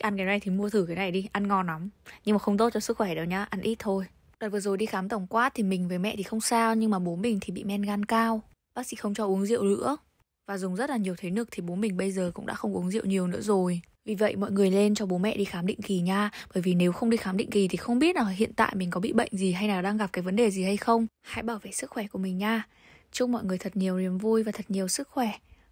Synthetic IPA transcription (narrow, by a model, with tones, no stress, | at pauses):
ʔa˧nkaː˨˦na˧˩jt̪ʰi˨˩mu˧ət̪ʰɨ˧˩ka˨˦na˨˧˩jɗi˧ʔa˧nŋɔ˧nla˨˦mɲɨ˧ŋmaː˨˩xə˧wŋ͡mt̪o˦˥t̚t͡ɕɔ˧sɨ˦˥k̚xwɛ˧˩ɗə˨˦wɲaː˧ʔa˧nʔi˦˥t̚t̪ʰo˧j | ɗaː˨˩vɨ˨˩zo˨˩jɗi˧xaː˨˦mt̪ə˧˩wŋ͡mkwaː˦˥t̪ʰi˨˩mï˨˩ŋ̟vəː˨˦jmɛ̰˧˨t̪ʰi˨˩xə˧wŋ͡msaː˧wɲɨ˧ŋmaː˨˩ɓo˨˦mï˨˩ŋ̟t̪ʰi˨˩ɓḭ˧˨mɛ˧nɣaː˧nkaː˧w | ɓaː˦˥k̚sḭ˧˥xə˧wŋ͡mt͡ɕɔ˧ʔu˨˦əŋzḭ˧˨əwlɨ̰˧˥ə | vaː˨˩zʊ˨˩ŋ͡mzə˦˥t̚laː˨˩ɲi˨˩əwt̪ʰe˨˦nɨ˨˧˩ək̚t̪ʰi˨˩ɓo˨˦mï˨˩ŋ̟ɓə˧jzəː˨˩kʊ̰˧˥ŋ͡mɗa̰ː˧˥xə˧wŋ͡mʔu˨˦əŋzḭ˧˨əwɲi˨˩əwnɨ̰˧˥əzo˨˩j | vi˨˩və̰˧˨jmɔ̰˧˨jŋɨ˨˩əjle˧nt͡ɕɔ˧ɓo˨˦mɛ̰˧˨ɗi˧xaː˨˦mɗḭ˧˨ŋ̟ki˨˩ɲaː˧ɓəː˧˩jvi˨˩ne˨˦wxə˧wŋ͡mɗi˧xaː˨˦mɗḭ˧˨ŋ̟ki˨˩t̪ʰi˨˩xə˧wŋ͡mɓi˦˥ət̚zaː˨˩ɦḭ˧˨ənt̪a̰ː˧˨jmï˨˩ŋ̟kɔ˨˦ɓḭ˧˨ɓə̰˧˨jŋ̟zi˨˩ɦa˧jlaː˨˩ɗaː˧ŋɣa˨˩p̚kaː˨˦jvə˨˦ɗe˨˩zi˨˩ha˧jxə˧wŋ͡mha̰ː˧˥jɓaː˧˩wvḛ˧˨sɨ˦˥k̚xwɛ˧˩ku˧˩mï˨˩ŋɲaː˧ | t͡ɕʊ˧ŋ͡mmɔ̰˧˨jŋɨ˨˩əjt̪ʰə˨˩t̚ɲi˨˩əwzi˨˩əmvu˧jvaː˨˩t̪ʰə˨˩t̚ɲi˨˩əwsɨ˦˥k̚xwɛ˧˩